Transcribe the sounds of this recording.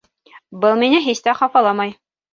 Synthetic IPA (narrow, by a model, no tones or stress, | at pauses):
bɤlˠminɘɦist̪æχɑfɑlˠɑmɑj